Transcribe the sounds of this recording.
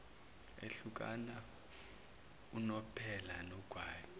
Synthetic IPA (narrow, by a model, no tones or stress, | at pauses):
ḛɬuk̬ʼa̰na | unɔpʰɛlanɔɡ̥ʱwaːjɔ